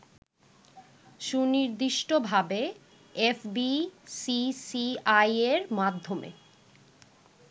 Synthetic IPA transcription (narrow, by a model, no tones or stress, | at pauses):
ʃuniɾd̪iʃʈobʱabe | efbisisiajeɾmad̪ʱːomḛ